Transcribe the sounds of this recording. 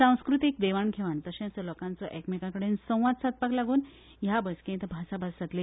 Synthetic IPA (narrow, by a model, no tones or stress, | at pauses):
sãw̃skɾut̪ik̚d̪eʋaɳkʰeʋant̪əɕãt͡sɔlɔkãnt͡sɔʔɛkmekãkəɽensə̃w̃ʋad̪̚sat̪̚paklaɡuːn | jabəskẽt̪bʱasabʱasat̪le